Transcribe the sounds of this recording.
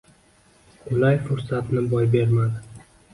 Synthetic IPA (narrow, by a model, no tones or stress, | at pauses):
ʊlajfʊɾsat̪nɪbɒjbe̞ɾmad̪ɪ